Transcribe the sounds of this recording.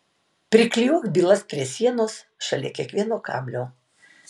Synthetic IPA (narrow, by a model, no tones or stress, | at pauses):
pʲɾʲɪklʲjuːkbʲiːlˠɐspʲɾʲiɛsʲiɛnoːs | ʃɐlʲɛ̰kʲiɛkʋʲiɛnoːkɑ̰ːbʲlʲoː